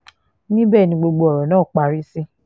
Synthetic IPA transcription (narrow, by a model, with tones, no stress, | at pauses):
nĩ˦bɛː˦˨nĩ˧ɡ͡bo˧ɡ͡bo˧ɔ˨ɾɔ˨nãː˦˨k͡pa˧˦ɾi˦si˦